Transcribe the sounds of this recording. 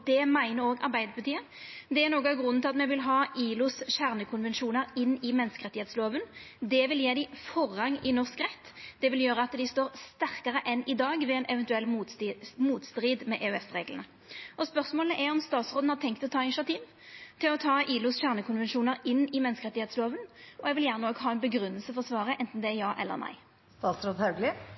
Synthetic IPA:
d̪ɛmæɪnəɾoːɡɑ̰ʁbæɪd̪əpʰɑt̪ʰiːə | d̪ɛæʁnoːɡɑɡʁʉnːnʰɪlɑt̪mɛʋɪlɦɑːʔiːlʊsɕæʁnəkʰʊnʋɛnʃuːnəɾɪnːɪmɛnːəskəʁɛt̪ɪheːt̪sloːʋənd̪ɛʋɪljeːd̪ɪfɔʁɑŋɪnɔʁskʁɛt̪ːd̪̥ɛʋɪljøːɾəɑt̪d̪ɪst̪oːʁst̪æʁkəʁəʔɛnːɪd̪ɑːɡʋɛɛnʔɛʋɛnt̪ʉɛlː | muːt̪st̪ɾiːd̪mɛʔeːʉɛfɾeːɡlə̰nə | ʔɔspœʁsmoːləʔæɾɔmst̪ɑːt̪sɾoːd̪n̩hɑʁt̪ʰɛŋkt̪ɔt̪ʰɑːɪnɪʂɑt̪ʰiːʋ | t̪ʰɪlɔt̪ʰɑːiːlʊsɕæʁnəkʰʊnʋɛnʃuːnəʁɪnːɪmɛnskəʁɛt̪ːɪheːt̪sloːʋənʔɔɛɡʋɪljæʁnəoːɡɦɑːɛnbəɡɾʉnːəlsəfɔʁɔsʋɑːʁəʔɛnt̪n̩d̪ɛæjɑːʔɛ̰lːə̰ɾnæ̰ɪ | st̪ɑːt̪sɾoːd̪hɑʉɡlɪ

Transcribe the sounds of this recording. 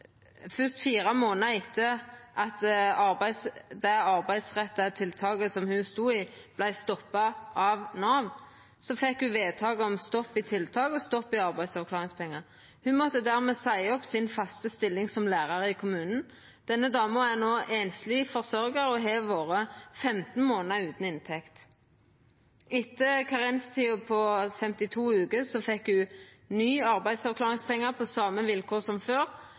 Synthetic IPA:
fœst̪fiːɾɑmoːnɑɪt̪ʰːəʔɑt̪ɑɾbæɪsd̪ɛɑʁbæɪd̪sʁɛt̪ːɑt̪ʰɪlt̪ʰɑːɡəsɔmhʉst̪uːib̥læɪst̪ɔpːɑʔɑʋnɑːʋn | sɔfɛkhʉʋeːd̪̚t̪ʰɑːɡəɔmst̪ɔpːɪt̪ʰɪlt̪ʰɑːɡɔst̪ɔpːɪɑʁbæɪd̪sɑklɑːʁɪŋspʰɛŋːɑ | hʉmɔt̪ːəd̪æːʁmɛsæɪɔpsɪnfɑst̪əst̪ɪlːɪŋsɔmlæːʁɑɾəɪkʰʊmʉːnn̩ | d̪̥ɛnːəd̪ɑːməænoːʔeːnslifɔʁsɔɾɡəɾɔɦeːʋoːʁəfɛmt̪n̩moːnəʉːt̪n̩ɪnt̪ʰɛkt̪ | ɪt̪ːəkʰɑʁɪnst̪ʰiːʊpʰɔfɛmt̪ɪt̪ʰuːʉːkəsɔfɛkhʉ | nyːɑʁbæɪd̪sɑʋkʰlɑːʁɪŋspɛŋːəʁpʰɔsɑmːəʋɪlkʰoːʁsɔmføːʁ

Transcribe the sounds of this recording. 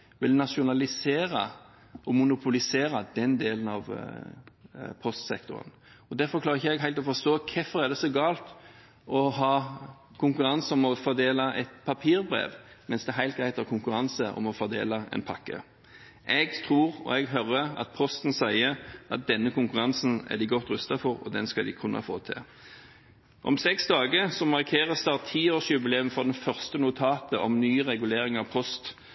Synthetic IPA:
ʋɪlnɑʃʊnɑlɪseːɾɑ̰ | ʔɔmʊnʊpʰʊlɪseːɾɑd̪ɛnd̪eːlənɑʋ | pʰɔst̪sɛ̰k̚t̪ʊɾə̰n | ɔd̪æɾfɔɾklɑːɾɪçəɛɡɦæɪlt̪ɔfɔst̪oːkʰɛfːəʁæd̪ɛsɔɡɑːlt̪ | ɔɦɑː | kʰʊŋkʉɾɑnsəɔmɔfɔd̪eːlɑʔɛ̰t̪pʰɑpʰiːɾbʁḛːʋmɛnsd̪ɛæɾɦæɪt̪ɡʁæɪt̪ʰɑkʰʊŋkʉɾɑnsəʔɔ̰mɔfɔd̪ḛːlɑɛ̰npʰɑkːə̰ | ʔɛɡt̪ʰʁuːʁɔ̰ɛɡɦœɾəɑ̰t̪̚pʰɔst̪n̩sæɪəʔɑ̰t̪̚d̪ɛnːəkʊŋkʉʁɑnsənæ̰d̪ɪɡɔt̪ːʁʉst̪ɑfɔʁɔ̰d̪ɛnskɑd̪ɪkʰʉnʔɑ̰fo̰ːt̪ʰɪ̰ | ʔɔ̰msɛksd̪ɑːɡəsɔmɑʁkʰeːʁəst̪ɑːʁt̪ʰːiːoːʃjʉbəlɛmfɔʁd̪ɛnfœʁst̪ənʊt̪ʰɑːt̪əʔɔmnyːʁɛɡʉleːɾɪŋɑʋpʰɔst̪

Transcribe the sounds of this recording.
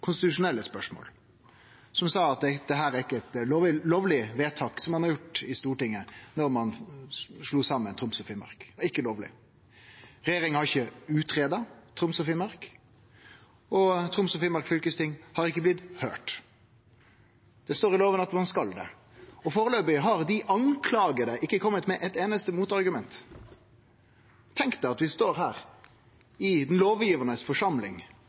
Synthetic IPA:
kʰʊnst̪ɪt̪ʉʂʊnɛlːəspœʂmo̰ːl | sɔmsɑːɑt̪æɪd̪̥ɛɦæːɾæɪkːəɛt̪loɪloːʋlɪʋeːt̪ʰɑːksɔmːɑnhɑɾjʊʈːɪst̪uːʈɪŋːənɔɾmɑn | ʂluːsɑmːənt̪ʰɾʊmsɔfimɑ̰ɾkɪkːəloːʋlɪ̰ | ɾɛjeːɾɪŋhɑʁɪçːəʉːt̪ɾeːd̪ɑt̪ʰɾʊmsɔfɪːmɑɾk | ɔt̪ʰɾʊmsɔfiːmɑɾkfʏlkəst̪ʰɪŋhɑɾɪkːəblɪt̪hø̰ːʈ | d̪̥ɛst̪oːɾɪloːʋənɑt̪mɑnskɑld̪ɛ̰ | ɔfoːɾəløːbɪɦɑʁd̪ɪʔɑŋkʰlɑːɡəɾəʔɪkːəkʰɔmːət̪mɛʔɛt̪eːnəst̪əmuːt̪ɑʁɡʉmɛnt̪ | t̪ʰɛŋkt̪ɛɑt̪ʋɪst̪oːɾɦæːɾ | ɪd̪ɛnloːʋjiːʋənəsfɔʂɑmlɪ̰ŋ

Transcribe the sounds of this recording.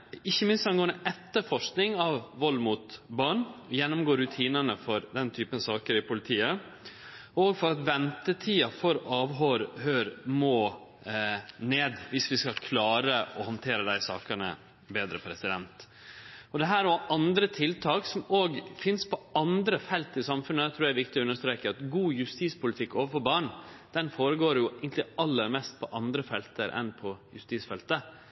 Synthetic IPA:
ɪçːəmɪnst̪ɑnɡoːənəʔɛt̪ːəɾfɔʂknɪŋɑʋːɔlːmuːt̪bɑɳjɛnːʊmɡoːɾːʉt̪ʰiːnənəfɔɾd̪ɛnt̪ʰyːpənsɑːkəɾɪpʊlɪt̪ʰiːə | oːɡfɔɾɑt̪ʋɛnt̪ət̪ʰiːɑfɔɾɑːʋɦɔɾhøːɾmoː | neːd̪ʋɪsʋɪskɑlkʰlɑːɾəɔhɑnt̪ʰeːɾəd̪æɪsɑ̰ːkəɳə̰ | beːd̪ɾəpʰɾɛsɪd̪ɛnt̪ | ɔd̪ɛɦæːɾɔʔɑnd̪ɾət̪ʰɪlt̪ʰɑːksɔmoːɡfɪnspʰɔɑnd̪ɾəfɛlt̪ɪsɑmfʉnəɛt̪ʰɾʉːɾæɾʋɪk̚t̪ɪɔʉnːəʂt̪ɾeːkəɾɑt̪ɡuːjʉst̪iːspʊlɪt̪ʰɪkːoːʋəfɔɾbɑːɳ | d̪̥ɛnfoːɾəɡoːɾjʊæɪɡənlɪɑlːəɾmɛst̪̚pʰɔʔɑnd̪ɾəfɛlt̪əɾʔɛ̰npʰɔjʉst̪iːsfɛlt̪ə

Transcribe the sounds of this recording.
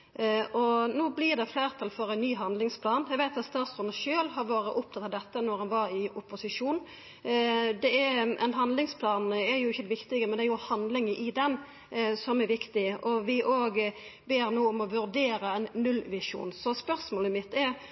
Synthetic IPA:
ʔɔnoːblɪɾd̪ɛfleːɾt̪ʰɑlfɔɾæɪnːyːɦɑnd̪lɪŋspʰlɑːnæɪɡʋæɪt̪ɑt̪st̪ɑɾsɔnəʃøːlɦɑɾʋoːɾəʔʊpt̪ʰɑt̪ːɑʋd̪ɛt̪ːənɔɾhɑnʋɑɾɪʊpːʊsɪʂuːn | d̪ɛæɾʔɛnɦɑnlɪŋspʰlɑːnɛɾjʊɪçːəd̪ɛʋɪkt̪ɪɡəmɛnd̪ɛjʊhɑnd̪lɪŋəʔɪd̪ɛn | sɔmɛɾʋɪkt̪ɪʔɔʋɪʔoːɡbeːɾnoːɔmɔʋʉɾd̪eːɾəɛnːʉlʋɪʂṵːnsɔspœɾsmoːləmɪt̪ːɛɾ

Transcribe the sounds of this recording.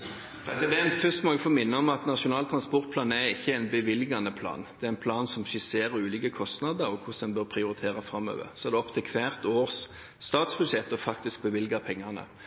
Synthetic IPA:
pʰʁɛ̰sɪd̪ɛnt̪fʏst̪mɔɡəfɔmɪnːəɔmɑt̪nɑʂʊnɑːlt̪ʰɾɑnspɔʁt̪̚pʰlɑːnæɾɪçːəæɪnbəʋɪlɪɡɑnəpʰlɑ̰ːnd̪̥ɛæʁɛnpʰlɑːnsɔmʃɪseːʁəɾʉːlɪkəkʰɔst̪nɑd̪əɾɔkʰʊsɛnbœʁpʰʁɪʊɾɪt̪ʰeːʁɑfʁɑmːø̰ːʋə̰ʁsɔɛːʁd̪ɛɔpt̪ʰɪlkʰʋæːʁt̪oːʁsː | t̪ɑːt̪sbʉʂjɛt̪ːɔfɑkt̪ɪsk̚bəʋɪlɡəpʰɛŋːɑnə̰

